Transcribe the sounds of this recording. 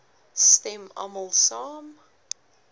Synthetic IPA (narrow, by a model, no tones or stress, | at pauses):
stɛma̰məlˠsɑːm